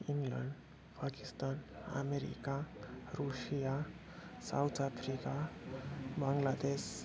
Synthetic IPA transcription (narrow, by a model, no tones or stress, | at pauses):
iŋɡlə̰ɳɖ | paki̥st̪ana̰meɾḭkaɾuɕija | sa̰wt̪ʰapʰɾika | bãŋɡlad̪es